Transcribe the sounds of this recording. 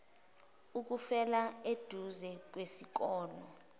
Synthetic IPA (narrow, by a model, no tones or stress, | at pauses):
uk̬ufɛlaed̥ʱuzɛk̬wesik̬ɔːlɔ